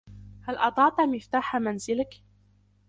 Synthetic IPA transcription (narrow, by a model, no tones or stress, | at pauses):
halʔɑd̪ˤɑʕt̪amɪft̪aːħamanzɪlɪk